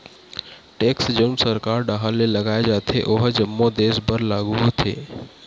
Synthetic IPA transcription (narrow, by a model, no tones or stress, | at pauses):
ʈeːksd͡ʒənsəɾkaːɾɖaɦalelɐɡaːed͡ʒaːt̪ʰeʔoɦd͡ʒɐmːod̪eːsbəɾlaːɡuɦot̪ʰḛː